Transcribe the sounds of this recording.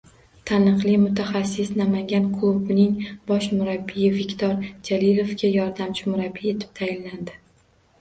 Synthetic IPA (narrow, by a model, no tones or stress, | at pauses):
t̪ʰanɨqlˠɪmʊt̪ʰaχasːɪsnamaŋɡʲankʰɵbnɪŋbɒʃmʊɾabːijɪvɪkʲt̪ʰɒɾd͡ʒalɪlofkʲajɒɾd̪amt͡ʃʰɪmʊɾabːie̞t̪ʰɪ̥p̚t̪ʰajɪnland̪ɪ